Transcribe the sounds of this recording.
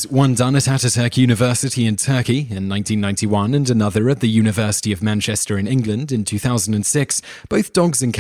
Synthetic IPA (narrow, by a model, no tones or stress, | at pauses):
wʌ̃ndʌ̃nəɾaɾɨtʰɜˑ˞kʰjʉñɨvɜˑsɨɾiɨ̃ntʰɜˑkiɪ̃nːãɪ̃ntĩnːãɪ̃ntiwʌ̃nə̃nənʌðəɹɨt̪̚ðɨjʉñɨvɜˑsə̥tiəvmæ̃nt͡ʃɛstə˞ɨ̃nɪ̃ŋɡlə̃ndɨ̃ntʰʉθaʊz̃n̩də̃nsɪks | b̥əʊθd̥ɒɡzɨ̃nkʰ